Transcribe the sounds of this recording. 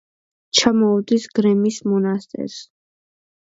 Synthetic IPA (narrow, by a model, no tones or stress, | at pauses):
t͡ʃʰamɔɔd̪isɡ̥ɾɛmismɔnast̪ʼɛ̰ɾs